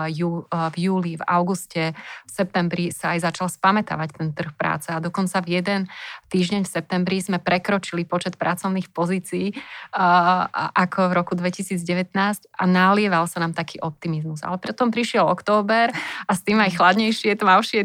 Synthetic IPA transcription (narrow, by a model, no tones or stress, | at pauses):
juːvjuːliva̰ʊɡuscɛfsɛp̚t̪ɛmbɾisaːjzat͡ʃalspamɛt̪a̰ʋact̪ɛnt̪r̩xpɾa̰ːt͡sɛad̪ɔkɔnt͡savjɛd̪ɛnt̪iːʒɟɛɲfsɛp̚t̪ɛmbɾizmɛpɾɛkɾɔt͡ʃilipɔt͡ʃɛt̪̚pɾat͡sɔʊniːxpɔziːt͡siː | ʔakʰɔvɾɔkud̪ʋɛcisiːd͡zɟɛʋɛt̪naːsca̰nalɪɛʋalsanaːmt̪akiːʔɔp̚t̪imizmuza̰lɛpɾt̪ɔmpɾiʃɪɛlɔkt̪ɔːbɛɾast̪iːmajxlad̪ɲɛjʃɪɛt̪ɔmaʊʃɪɛ